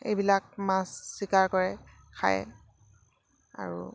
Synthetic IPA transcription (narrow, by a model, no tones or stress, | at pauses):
ḛjbilak̚mãsːikaɹkɔɹɛ | kʰa̰j | a̰ɹṵ